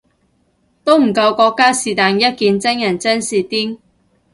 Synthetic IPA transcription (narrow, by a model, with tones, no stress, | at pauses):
t̪o˥wm̩˨˩kɐ˧wkɔː˧kːaː˥siː˨˩t̪aː˨njɐ˥t̚kiː˧nt͡sɪ˥ŋjɐ˨˩nt͡sɛ˥nsiː˨t̪iː˥ŋ